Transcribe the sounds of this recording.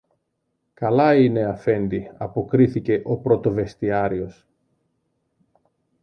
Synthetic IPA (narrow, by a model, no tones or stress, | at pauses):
kɐlɐine̞ɐfe̞nd̪iɐpo̞kɾiθice̞ʔo̞pɾo̞t̪o̞ve̞st̪iɐɾio̞s